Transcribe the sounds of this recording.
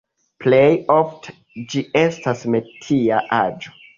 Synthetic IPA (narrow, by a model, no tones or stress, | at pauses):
plejoft | d͡ʒiʔe̞stasme̞tʰiaʔad͡ʒo̥